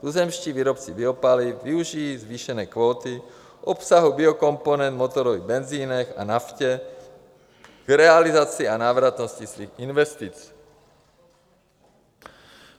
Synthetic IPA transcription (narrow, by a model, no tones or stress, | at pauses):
t̪uzɛmʃciːʋiːɾɔpt͡sibiɔpalifʋiuʒizʋiːʃɛnɛːkʋɔːt̪i | ʔɔpsaɦubiɔkɔmpɔnɛnd̪mɔt̪ɔɾɔʋibɛnziːnɛxa̰nafcɛ | ɡɾɛalizat͡siːanaːʋɾat̪nɔscisʋiːɣinʋɛst̪it͡s